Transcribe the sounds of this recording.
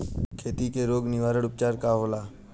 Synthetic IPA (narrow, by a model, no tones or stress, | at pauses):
kʰeːt̪iːkeːɾoːɡnɪʋaːɾəɽʊp̚t͡ʃaːɾkaːɦoːlaː